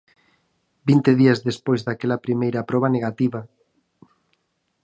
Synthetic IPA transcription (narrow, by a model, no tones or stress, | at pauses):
bint̪eðiɐzðespojzðakɛlɐpɾimejɾɐpɾɔβ̞ɐneɣat̪iβɐ